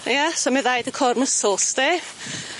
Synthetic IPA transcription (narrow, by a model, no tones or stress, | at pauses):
jasoməðajdəkʰɔrməsɔlˠsd̥e